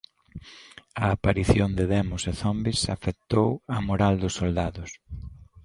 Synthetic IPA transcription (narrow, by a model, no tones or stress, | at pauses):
ɐːpaɾiθjond̪ɪðɛmʊseθɔmbisafet̪owɐmoɾald̪ʊsːold̪aðʊs